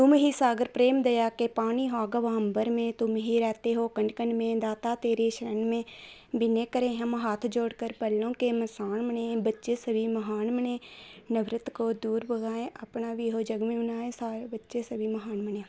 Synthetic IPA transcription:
t̪ʊmɦisaːɡəɾpɾeːmd̪ɐjaːkepaːniɦoaːɡəʋɦɐ̃mbəɾmẽt̪ʊmɦiɾɛːt̪eɦokɐ̃ɳɖkəɳɖmẽd̪aːt̪at̪eːɾeʃəɾənmẽ | bɪnekəɾẽɦɐmɦaːt̪ʰd͡ʒoːɽkəɾpɐlːõkemɐsaːnmənẽbɐtːʃesɐbʱimɐɦaːnmənẽːnəʋɾɪt̪kod̪uːɾbəɡaːẽʔɐpnabʱiɦod͡ʒɐɡmĩʊnaːẽsaːɾebɐtːʃesɐbʱimɐɦaːnməneː

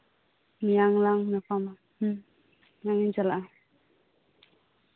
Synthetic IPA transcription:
mijaŋlaŋnapʰama | naŋid͡ʒalaa

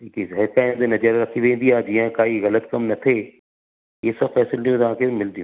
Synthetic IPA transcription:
iːkizɦɛɾkaẽnd̪enɐd͡ʒəɾɾɐkʰiʋẽĩnd̪ijaːd͡ʒiːãkaːiɣɐlət̪kɐmnɐt̪ʰe | jesɐbfɛːsɪlliũt̪ãːkʰemɪld̪ijũ

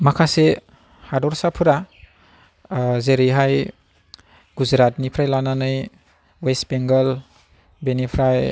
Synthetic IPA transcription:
makʰase | hadɔɾsapʰuɾa | zeɾiɦaj | ɡuzɾat̚nipʰɾajlananɯj | wesbeŋɡəl | benipʰɾaj

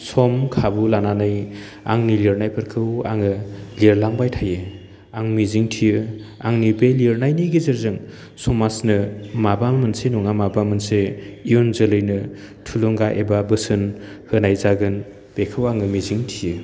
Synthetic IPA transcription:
sɔmkʰabulananɯj | a̰ŋniliɾnajpʰɯɾkʰɯwa̰ŋɯliɾlaŋbajtʰajɯ | aŋmiziŋtʰijɯa̰ŋnibeliɾnajniɡizɯɾzɯŋ | sumasnɯmabammɯnsenuŋamabamɯnseijonzɯlɯjnɯ | tʰuluŋɡaʔebabɯsɯnhɯnajzaɡɯn | b̥ekʰɯwaŋɯmiziŋtʰijɯ

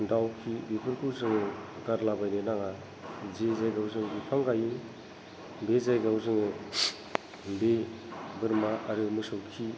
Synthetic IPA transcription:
dawkʰibipʰɯɾkʰuzɯŋɯɡaɾlabajɾenaŋa | zezajɡawzɯŋbipʰaŋɡajɯ | bezajɡawzɯŋɯ | be | bɯɾmaʔaɾɯmɯsɯwkʰi

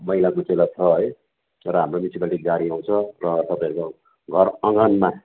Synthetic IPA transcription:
mʌɦilakot͡selat͡sʰʌʌj | rʌɦamromjisibalʈiɡaɾiaw̃t͡sʰʌrʌt̪ʌpaẽko | ɡʱʌrʌŋɡʌnma

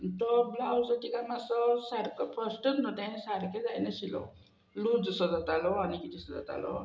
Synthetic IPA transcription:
t̪ɔblawsəʈikamasɔsaɾkəpəsʈət̪nɔt̪ẽsaɾked͡zajnaɕilɔ̰ | lud͡zsɔd̪at̪alɔanikit̪ʰisəd̪a̰t̪a̰lɔ̰

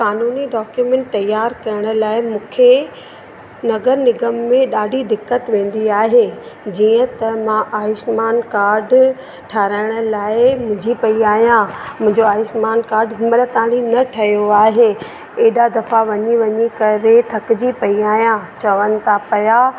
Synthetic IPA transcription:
kaːnuːniɖɔːkjumẽːɳʈ̚t̪ɐjːaːɾkɐjəɽ̃ə̆laːɪmũːkʰe | nɐɡəɾnɪɡəmːẽɗaːɖʱid̪ɪkːət̪ʋẽːn̆d̪iaːɦed͡ʑiːə̃t̪ɐmãʔaːɪsmaːnkaːɾɖ | ʈʰaːɾaːɪɽ̃ə̆laːɪmʊ̃ɦɪ̃d͡ʑipɐiaːɦijãmʊ̃ɦɪ̃ɲd͡ʑoaːjɪʃmaːnkaːɾɖɦɪmələt̪aːɽ̃inɐʈʰɐjoaːɦe | eːɗad̪ɐfaʋɐɲiʋɐɲikɐɾet̪ʰɐkd͡ʑipɐiaːɦjãt͡ɕɐʋənɪ̆t̪ʰapɐjaː

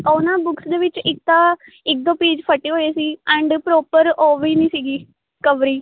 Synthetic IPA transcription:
ɔːnãːbʊksd̪eːʋɪt͡ʃɪk̚t̪ãː | ɪk̚d̪õːpeːd͡ʒpʰəʈeːɦoːeːsiːɛ̃ːɳɖpɾoːpəɾoːʋiːnĩːsiːɡiː | kəʋɾiː

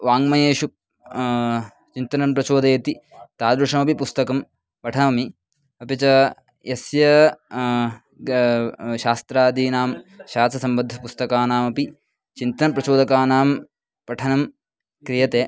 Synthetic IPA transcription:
ʋaːŋmɐjeːʃu | t͡ʃint̪ɐnɐmpɾɐt͡ʃoːd̪ɐjɐt̪it̪aːd̪ɾuʂɐmɐpipust̪ɐkɐm | pɐʈʰɐmɐmi | ɐpjɐt͡ʃɐ | jɐsjɐ | ʃaːst̪ɾaːd̪iːnaːmʃaːsɐsɐmbɐd̪ʱːɐpust̪ɐkaːnaːmɐpi | t͡ʃint̪ɐnɐpɾɐt͡ʃoːd̪ɐkaːnaːm | pɐʈʰɐnɐm | kɾijɐt̪eː

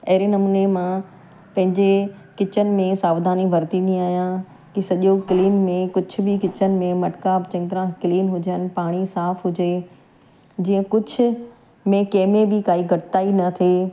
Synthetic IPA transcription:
ɐɦɪɾenɐmunemã | pɐ̃ɦɪ̃ɲd͡ʑekɪt͡ɕənɪ̆mẽsaːʋd̪aːniʋʱɐɾt̪iniaːijã | kisɐʄokliːnmẽkʊd͡ʑʱʊ̆bɪkɪt͡ɕənɪ̆mẽmɐʈkaːbt͡ɕɐ̃ɪ̃t̪ɾãkɪliːnɦʊd͡ʑənɪ̆paːɽ̃isaːfɦʊd͡ʑe | d͡ʑiːə̃kʊd͡ʑʱʊ̆ | mẽkɐːmebɪkaːiɡʱɐʈɪt̪aːinɐt̪ʰe

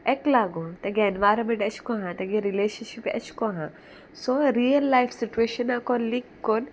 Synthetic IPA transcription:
eklaːɡot̪ɐɡeɐnʋaːɾɐmeʈɐt͡ʃʰkoɦãt̪ɐɡeɾileːʃɐnʃipɐ̰t͡ʃʰkoɦã | soɾiɐlːajfsit͡ʃueːʃɐnakɔnlikːon

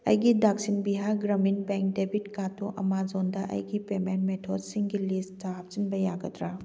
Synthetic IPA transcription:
ɐ̰jɡidak̚sinbiɦaɾɡɾɐminbeŋk̚debʱitkatoʔɐ̰mad͡ʒondɐʔɐ̰jɡipementmetʰɔdsiŋɡilistap̚t͡ʃinbɐjaɡɐtɾa

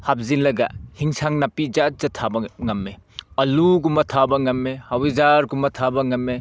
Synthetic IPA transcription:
hap̚zinlɐɡa̰hiŋsaŋnapid͡ʒat̚zɐtʰabɐŋɐmːeɐluɡumɐtʰabɐŋɐmːehawizaɾɡumɐtʰabɐŋɐmːe

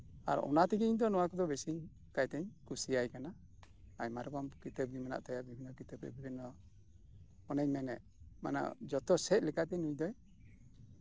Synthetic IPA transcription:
a̰ɾɔ̰nat̪iɡiiɲd̪ɔnɔwakɔd̪ɔbesiɲ | kajt̪ɛɲkusiajkana | ajmaɾɡɔmkit̪ɛb̚ɡimana̰ʔt̪ajabibʱinːɔkit̪ɛbɛ̰bibʱinɔ | ɔnɛɲmɛnɛ̰ʔ | mana̰ʔd͡ʒɔt̪ɔsɛt̪̚ˀlɛkat̪ɛnujd̪ɔj

